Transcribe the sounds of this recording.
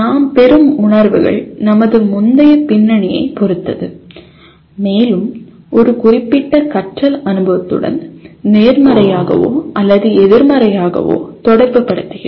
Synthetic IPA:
naːmpɛɾɯmʊɳɐɾʋɯɣɐ̰ɭnɐmɐðɯmʊnd̪ɐjɐpɪnːɐɳɪjɐ̰ɪpɔɾɯt̪ːɐðɯ | meːlɯm | ʔɔɾɯkʊrɪpːɪʈːɐkɐʈrɐlɐnɯbɐʋɐt̪ːɯ̰ɽɐ̰nneːɾmɐɾɐjaːɣɐ̰ʋo̰ːʔɐlːɐðɯɛðɪɾmɐɾɐjaːɣɐ̰ʋo̰ːt̪ɔɽɐɾʋɯpːɐɽɯt̪ːɯɣɪɾ

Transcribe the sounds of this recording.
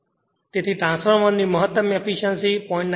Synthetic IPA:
t̪ɪt̪ʰiʈɾãːnspʰəɾmənd̪iməɦət̪ːəmepʰiʃənsipɔɪ̃ɳʈn

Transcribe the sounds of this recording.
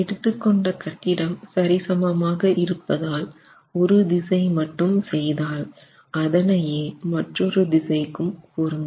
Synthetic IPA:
ɛɽɯt̪ːɯkːɔɳɖɐkɐʈːɪɽɐmsɐɾɪsɐmɐmaːɣɐʔɪɾɯpːɐðaːl | ɔɾɯd̪ɪsɐɪmɐʈːɯmsɛjðaːl | ɐðɐnɐjeːmɐʈrɔɾɯd̪ɪsɐɪkːɯmkuːɾɯmd̪

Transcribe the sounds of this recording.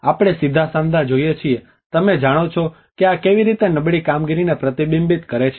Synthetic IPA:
apɽ̃esid̪ʱasãnd̪ʱad͡ʒoijet͡ʃʰie | t̪əmed͡ʒaɽ̃ot͡ʃʰɔ | keakeʋiɾit̪enəbɭikamɡiɾinepɾət̪ibimbit̪kəɾet͡ʃʰ

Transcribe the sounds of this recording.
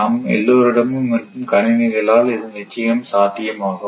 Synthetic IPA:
amɛ̰lːoːɾɪɽɐmɯmːɐʈːɯmkɐɳɪnɐɣɐɭaːlɪðɯnɪt͡ʃːɐjɐmsaːt̪ːɪjɐmaːɣɯ

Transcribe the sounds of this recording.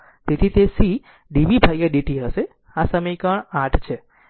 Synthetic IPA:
t̪et̪ʰit̪esi | ɖiʋibʱajaɖiʈiɦəʃe | asəməjkəɳaʈʰt͡ʃʰe

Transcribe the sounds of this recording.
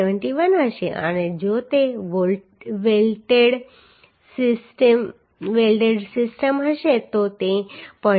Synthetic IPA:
eʋəɳʈiʋənɦəʃḛʔə̰ned͡ʒot̪eʋo | ʋelʈeɽ | ssʈm | ʋelʈeɖsɪsʈəmɦəʃet̪ot̪epə̃

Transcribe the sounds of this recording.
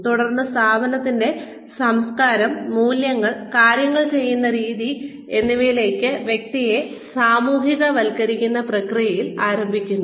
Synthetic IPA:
t̪uɽɐrnːɨst̪ʰaːbɐnɐt̪ːinde̞ | sɐmskaːɾɐmːuːljɐŋːɐɭkaːɾjɐŋːɐɭt͡ɕe̞jːunːɐɾiːði | enːiʋejile̞ːkːɨʋjek̚t̪ije̞ | saːmuːɦiɣɐʋɐlkɐɾikʲːunːɐprɐkrijɐjilaːɾɐmbʱikʲːunːu

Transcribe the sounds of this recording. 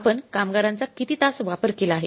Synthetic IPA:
pənkamɡaɾant͡sakit̪iːt̪asʋapəɾkelaːɦḛ

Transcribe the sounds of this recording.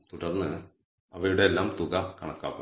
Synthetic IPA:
t̪uɽɐrnːɨ | ɐʋɐjuɽe̞ːlːaːmt̪uɣakɐɳɐkːa̰ːpːɐ

